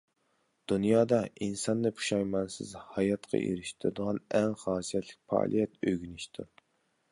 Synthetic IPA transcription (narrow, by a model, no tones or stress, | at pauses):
d̪̥unjɑːd̪ɑinsɑnːɨpʰu̥ʃɑjmɑnsɪ̰zhɑjɑt̪qʰɑ̰ʔḛɾɪʃt̪ʰɪɾɨd̪əʁɑnɛŋχɑːsijɛt̪ʰlɪ̥k̚ʲpɑ̰ːlˠijɛt̪øɡʲynɪʃt̪ʰṵɾ